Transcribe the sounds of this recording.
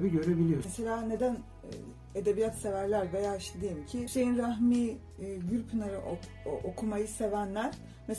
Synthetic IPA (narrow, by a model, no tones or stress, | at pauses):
biɟø̞ɾebilʲijomeselʲaːne̞d̪æn̰ | ed̪e̞bijat̪se̞væɾlʲæɾve̞jaːiʃt̪ʰed̪ejimcʰise̞jinɾaɦmiː | ɟyɾʲpʰunaɾɯʔ | ʔokʰumajɯse̞vænlʲæɾ̥ | mes